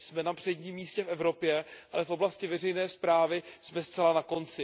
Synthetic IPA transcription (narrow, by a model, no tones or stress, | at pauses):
smɛnapr̝̥ɛɟɲiːmːiːscɛfɛvɾo̞pjɛʔalɛfʔoblascɪvɛr̝ɛjnɛːspɾaːvɪsmɛst̪t͡sɛlanako̞nt͡sɪ